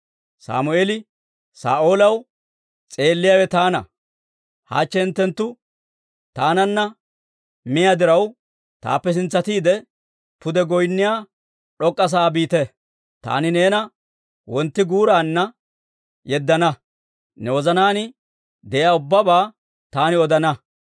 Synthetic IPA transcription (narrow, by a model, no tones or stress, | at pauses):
sa̰ːmʊeːlɪ | sa̰ːʔo̞ːlɐw | t͡sʼe̞ːlːɪjaːwɛt̪aːnɐ̰ | ha̰ːt͡ʃːɛnt̪ːɛnt̪ːʊ | t̪aːnɐnːɐ | mɪjad̪ɪɾɐw | t̪a̰ːpːɛs̬ɪnt͡sːɐt̪iːd̪ɛ | pʊd̪ɛɡɔjnːɪjaː | ᶑɔkʼːɐs̬aːbiːt̪ɛ | t̪a̰ːnɪne̞ːnɐ | wɔnt̪ːɪɡuːɾaːnːɐ | jɛd̪ːɐnɐ | nɛwɔzɐnaːnɪ | d̪ɛjaːʊbːɐbaː | t̪aːnɪɔd̪ɐnɐ